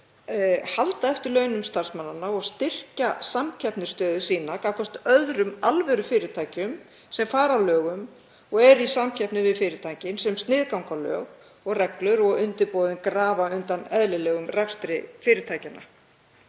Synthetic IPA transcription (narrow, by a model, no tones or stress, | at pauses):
halt̪aɛft̪ɪɾlœːɥnʏmst̪ar̥smanːanaɔɣst̪ɪr̥casamcʰɛpnʏɾ̥st̪œːðʏsiːnakaːkʰɔr̥t̪œðɾʏmalvɛɾʏfɪːɾɪt̪ʰajcʏm | sɛmfaːɾalœːɣʏm | ɔɣɛɾisamcʰɛpnɪvɪðfɪːɾɪt̪ʰaːjcɪnsɛmst̪nɪðkawŋkalœ̰ːɣ | ɔɣrɛklʏɾɔɣʏnt̪ɪpoːðʏnkɾaːvaʏnt̪anɛðlɪlɛːɣʏmrɛfst̪ɾɪfɪːɾɪt̪ʰaːjcɪna̰